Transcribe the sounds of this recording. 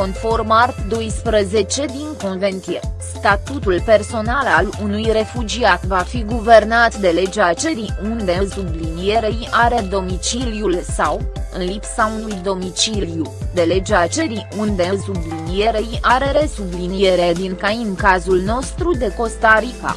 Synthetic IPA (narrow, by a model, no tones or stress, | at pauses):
ko̞nfo̞rmart̪d̪o̞jspɾəze̞t͡ʃe̞d̪iŋko̞nve̞nt̪iesst̪at̪ut̪ulpe̞rso̞nalalunujre̞fud͡ʒiat̪vafiɡuve̞rnat̪d̪e̞le̞d͡ʒeat͡ʃe̞ɾiund̪e̞sublinije̞ɾejʔaɾe̞d̪o̞mit͡ʃiliulsawɨ̰nlipsaunujd̪o̞mit͡ʃilijud̪e̞le̞d͡ʒeat͡ʃe̞ɾiund̪e̞sublinije̞ɾejʔaɾe̞ɾe̞sublinije̞ɾed̪iŋkaimkazulno̞st̪ɾud̪e̞ko̞st̪aɾika̰